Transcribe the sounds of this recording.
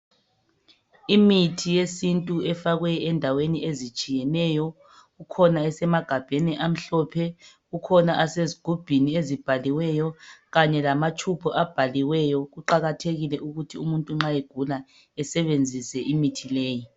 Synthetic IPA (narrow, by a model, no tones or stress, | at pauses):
imitʰijesintʼuɛfaɣwɛɛndʱaweniʔezit͡ʃʼijɛnɛjɔ | ɣukʰɔnaɛsɛmaɡ̥ʱab̥ʱeniʔam̩ɬɔpʰɛ | ɣukʰɔnaʔaseziɡ̥ʱub̥ʱiniezib̥ʱaliwɛjɔɣaɲɛlamat͡ʃʰupʰɔʔab̥ʱaliwɛjɔɣuǃaɣatʰeɣilɛʔuɣutʰiumuntʼuŋ͡ǁaeɡ̥ʱula | ɛsɛβend͡zʱisɛʔimitʰileːji